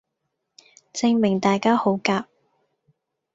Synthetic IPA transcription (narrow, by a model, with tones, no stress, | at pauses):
t͡sɪ˧ŋmɪ˨˩ŋt̪aː˨jkaː˥ho˨˥wkaː˧p̚